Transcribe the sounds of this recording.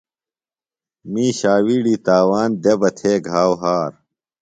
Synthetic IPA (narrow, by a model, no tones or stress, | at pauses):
miːɕaːwiːɽiːt̪aːwaːnd̪ebɐt̪ʰeːɡʱaːwɦaːɾ